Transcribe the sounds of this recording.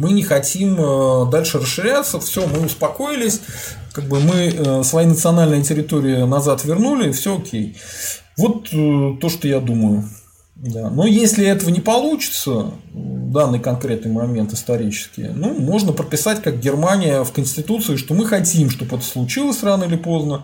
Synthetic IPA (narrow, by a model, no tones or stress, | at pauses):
mɨnʲɪxɐtʲiməd̪alʲʂɨrəsʂːɨɾʲat̪səfsʲomɨʊspɐko̞ɪlʲɪsʲkaɡ̚bɨmɨəsvɐjinət̪sɨɐnalʲnɨjətʲɪɾʲɪt̪o̞ɾʲɪɪnɐzat̪vʲɪrnulʲɪːfsʲookʲej | vo̞t̪ətːo̞ʂt̪ojad̪uməjʊ | d̪anojesʲlʲɪɛt̪əvənʲɪpɐlˠut͡ɕɪ̥t̪səvd̪anːɨjkɐnkɾʲe̞t̪̚nɨjmɐmʲe̞nt̪ɪst̪ɐɾʲit͡ɕɪ̥skʲɪ̰numoʐnəpɾət̪̚pʲɪsatʲkak̚ɡʲɪrmanʲɪjəfkənʲsʲtʲɪt̪ut̪sɨɪʂt̪o̞mɨxɐtʲimʂt̪o̞pɛt̪ə̥slˠʊt͡ɕilˠəsʲranəɪlʲɪpo̞znə